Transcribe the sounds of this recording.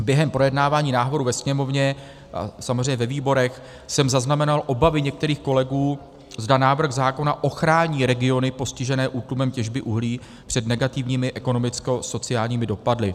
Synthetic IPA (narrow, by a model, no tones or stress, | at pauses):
bjɛɦɛmpɾo̞jɛdnaːvaːɲiːnaːɦvo̞ɾuvɛsɲɛmo̞vɲɛ | ʔa̰samozr̝ɛjɲɛvɛviːbo̞ɾɛx | sɛmzaznamɛnalʔo̞bavɪɲɛk̚t̪ɛɾiːxko̞lɛɡuː | zdanaːvr̩ɣzaːko̞naʔo̞xɾaːɲiːɾɛɡɪo̞nɪpo̞scɪʒɛnɛːʔuːt̪lumɛmcɛʒbɪʔuɦliː | pr̥ɛdnɛɡat̪ɪvɲiːmɪʔɛko̞no̞mɪt͡sko̞so̞t͡sɪaːlɲiːmɪdo̞padlɪ